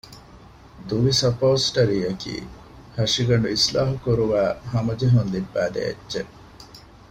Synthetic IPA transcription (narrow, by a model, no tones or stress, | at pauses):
d̪uʋisɐpoːsʈɐɾiːɐkḭː | hɐʂiɡɐɳɖuislaːɦukuɾuʋæːhɐmɐd͡ʒeɦund̪ibːæːd̪ḛḛdːd͡ʒe